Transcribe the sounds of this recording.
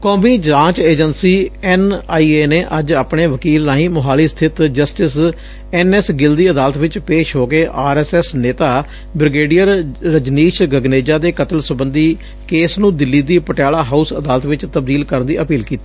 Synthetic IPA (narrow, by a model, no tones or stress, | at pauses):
kɔːmiːd͡ʒãːt͡ʃeːd͡ʒənsiːɛnaːiːeːneːʔəd͡ʒaːpɳeːʋəkiːlnãːĩːmʊɦaːliːst̪ʰɪt̪d͡ʒəsʈɪs | ɛːnɛsɡɪld̪iːəd̪aːlət̪ʋɪt͡ʃpeːʃɦoːkeːʔaːɾɛːsɛːsneːt̪aː | bɾɪɡeːɖijəɾɾəd͡ʒniːʃɡəɡneːd͡ʒaːd̪eːkət̪əlsʊbə̃nd̪iː | keːsnũːd̪ɪlːiːd̪iːpəʈjaːlaːɦaːusəd̪aːlət̪ʋɪt͡ʃt̪əb̚d̪iːlkəɾənd̪ḭːʔəpiːlkiːt̪iː